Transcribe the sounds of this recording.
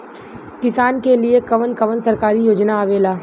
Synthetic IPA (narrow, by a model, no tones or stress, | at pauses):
kɪsaːnkeliekɐʋənkɐʋənsɐɾkaːɾijoːd͡ʒnaːʋeːlaː